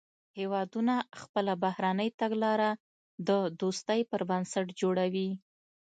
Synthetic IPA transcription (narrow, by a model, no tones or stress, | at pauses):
hewɑd̪unaxpəlabahɾanəjt̪aɡlɑɾa | d̪əd̪ost̪əjpəɾbansaʈd͡ʒoɽawi